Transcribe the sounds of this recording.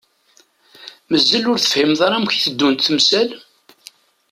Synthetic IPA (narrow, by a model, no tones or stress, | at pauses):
məzːəlʊɾθə̥fhimðˤɑɾˤɑmçθəd̪ːunt̪θəmsæl